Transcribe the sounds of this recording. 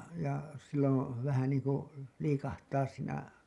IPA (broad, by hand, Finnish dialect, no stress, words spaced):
jɑ silːõː ʋæhæ niːŋku liːkɑhtɑːs siːnæ